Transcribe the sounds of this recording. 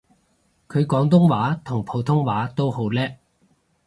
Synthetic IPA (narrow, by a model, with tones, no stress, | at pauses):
kʰɵ˨˧ɥkɔː˨˧˥ŋt̪̬ʊ˥ŋwaː˨˥t̪ʰʊ˨˩ŋpʰo˨˥wt̪ʰʊ˥ŋwaː˨˥t̪o˥who˨˥wlɛː˥